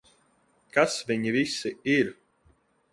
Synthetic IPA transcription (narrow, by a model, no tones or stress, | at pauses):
kasviɲivisːiiɾ